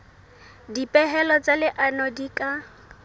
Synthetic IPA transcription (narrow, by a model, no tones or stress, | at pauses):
dipʼɛɦɛlɔt͡sʼalɪʔanɔdikʼa